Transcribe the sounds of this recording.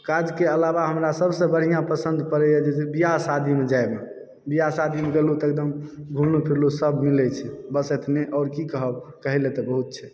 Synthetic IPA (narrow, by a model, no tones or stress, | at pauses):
kad͡ʒkeəlaβaɦəmɾasəbsə̃bəɽ̤ijãpəsənd̪ʱpəɾɛjəd͡ʒesebijasad̪ʱimed͡ʒaebe | bijasad̪ʱimeɡelut̪ek̚d̪əmɡʱulnupʰiɾlusəbʱmilɛt͡ʃʰɛbəset̪ʰneʔɔːɾkikəɦəbkəɦilet̪ɔbəɦut̪̚t͡ʃʰɛ